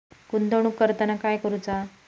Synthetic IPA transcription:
kund̪əɽ̃ukːəɾt̪ənakajkəɾut͡sa

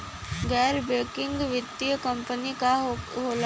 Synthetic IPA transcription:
ɡɛːɾbeːkɪ̃ŋɡʋɪt̪ːijəkə̃mpənikaɦoːl

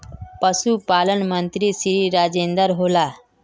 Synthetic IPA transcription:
pəsupaːlənmənt̪ɾisɾiːɾaːd͡ʒeːnd̪əɾɦola

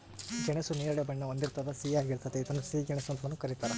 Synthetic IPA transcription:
d͡ʒɛɳesuniːɾɐɭjɐbɐɳːɐond̪iɾt̪ad̪ɐsiːaːɡiɭt̪ɐt̪eit̪ɐnːusiːɡɛɳesɐnt̪ɐʋɐnːukɐɾit̪aːɾɐ

